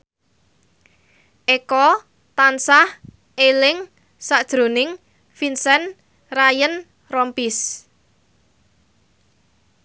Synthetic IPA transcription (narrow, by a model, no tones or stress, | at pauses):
ʔekɔ | t̪ansah | elɪŋ | saʔd̥ʒ̥ɾo̤nɪŋ | finsɛn | rajən | rɔmpis